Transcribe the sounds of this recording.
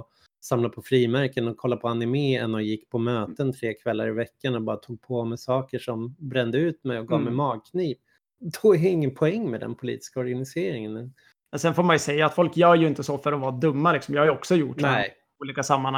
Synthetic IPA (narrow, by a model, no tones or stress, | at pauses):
samlapʰɔfɾiːmæɾkənɔkʰːɔlːapʰɔanɪmeːɛnːɔjɪkːpʰɔmøːtt̪ənt̪ʰɾeːkʰvɛlːaɾɪvɛkːaɳɔbɑːɾat̪ʰuːɡ̚pʰɔmɛsɑːkəʂɔmbɾɛnd̪əʉ̟ːt̪mɛjɔɡɑːvmɛjmɑːɡ̚kʰniːp | d̪ɔæɾɪŋːənpʰɔɛŋːmɛd̪ɛ̰npʰʊlḭːt̪ɪ̥skaɔɾɡanɪseːɾɪŋənɛn | mɛnsɛnfoːɾmanjɵsɛjːaːt̪fɔlkjœːɾjɵɪnt̪əsɔfœɾɔvɑːd̪ɵmːalɪksɔmjɑːhajɔksɔjʊʈnɛ | uːliːkasamːana